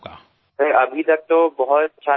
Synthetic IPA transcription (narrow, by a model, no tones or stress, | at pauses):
pʰɪɾɐbʱit̪ɐk̚t̪obɐɦʊt̪tːʃʰa